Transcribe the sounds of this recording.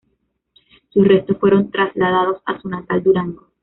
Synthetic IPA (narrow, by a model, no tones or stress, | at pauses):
susre̞st̪osfwe̞ɾo̞nt̪ɾazlað̞að̞o̞sa̰sunat̪ald̪uɾaŋɡo